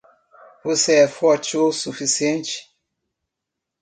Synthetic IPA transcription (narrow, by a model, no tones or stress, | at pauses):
voseɛfɔɾt͡ʃiosufisiẽnt͡ʃɪ̥